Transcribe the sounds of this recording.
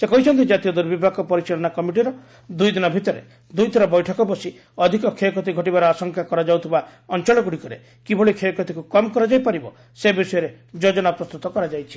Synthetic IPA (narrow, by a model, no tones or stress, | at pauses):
sekɔɦit͡ʃʰɔnt̪id͡ʒat̪ijɔd̪uɾbibʱakɔpɔɾiseɭɔnakɔmiʈ̬iɾɔ | d̪ujd̪inɔbʱit̪ɔɾḛ | d̪ujt̪ʰɔɾɔbɔjʈʰɔkɔbɔsi | ɔd̪ʱikɔkʰekɔt̪̬iɡʱɔʈ̬ibaɾɔasɔŋkʰakɔɾad͡ʒawt̪ʰibaɔnt͡ʃɔɭɔɡuɽikɔɾe | kibʱɔɭikʰekɔt̪ikukɔmɔkɔɾad͡ʒajpaɾibɔ̰ | sebisɔjɔɾe | d͡ʒod͡ʒɔnapɾɔst̪ut̪ɔkɔɾad͡ʒajt͡ʃʰi̥